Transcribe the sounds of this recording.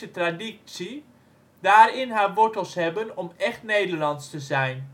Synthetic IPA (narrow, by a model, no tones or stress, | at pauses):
ətradisi | daːɹɪnɦaːɹʋɔɹtəlˠsɦɛbənɔmɛχtnejdəɹlɑntstəzɛjn